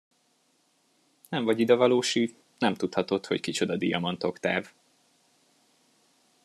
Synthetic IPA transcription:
nɛɱvɒɟid̪ɒvɒloːʃiːt̪ | nɛmt̪ut̪hɒt̪o̞t̪ho̞ckit͡ʃo̞d̪ɒd̪ḭjɒmɒnt̪o̞kt̪aːv

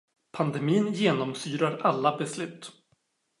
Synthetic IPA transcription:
pʰand̪ɛmiːnjeːnɔmsyːɾaɾalːabɛslʉ̟ːt̪ː

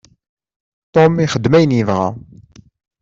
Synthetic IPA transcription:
t̪omiχəd̪ːmæjənjəvʁæ̰

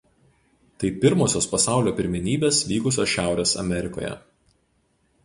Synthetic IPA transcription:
t̪ɐɪpʲɪɾmoːsʲoːspɐsɑˑʊlʲoːpʲɪɾʲmʲɪnʲiːbʲeːsʋʲiːkʊsʲoːsʃʲæˑʊɾʲeːsɐ̰mʲɛɾʲɪko̰ːjɛ̰

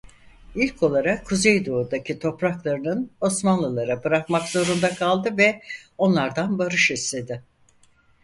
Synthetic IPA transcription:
ilʲcʰo̞lˠaɾakʰːuzejd̪oud̪acʰit̪ʰo̞pɾaklˠaɾɯnɯno̞smanlˠɯlˠaɾabɯɾakmakz̥o̞ɾund̪akʰalˠd̪ɯvɛo̞nlˠaɾd̪anbaɾɯʃist̪e̞d̪ɪ

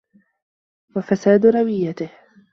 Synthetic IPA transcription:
wafasaːd̪ʊɾˤɑwɪjːat̪ɪh

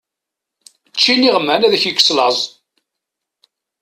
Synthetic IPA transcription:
t͡ʃːiniʁəmːænæðçəkːə̥slɑzˤ

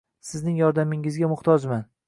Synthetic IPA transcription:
sɪznɪŋjɒɾd̪amɪŋɪzɡʲamʊht̪ʰɒd͡ʒman

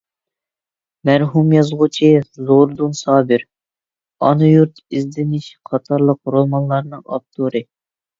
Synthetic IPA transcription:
mæɾɦumjɑzʁʊt͡ʃʰizoɾd̪unsɑːbɪɾ | ɑ̰nujuɾt̪izd̪ɪnɪʃqʰɑt̪ʰɑɾlˠəq̚ɾomɑnlˠɑɾnɨŋɑ̰p̚t̪ʰuɾɨ

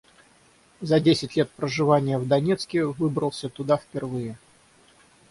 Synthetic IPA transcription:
zɐdʲesʲɪtʲlʲe̞t̪̚pɾəʐɨvanʲɪjəvd̪ɐnʲet̪skʲɪvɨbɾəlˠsʲət̪ʊd̪afpʲɪrvɨjɪ

